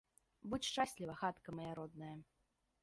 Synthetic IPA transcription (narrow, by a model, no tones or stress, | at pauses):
but͡sʲʂt͡ʂasʲlʲivɐxat̪kɐmɐjaɾɔd̪nɐjɐ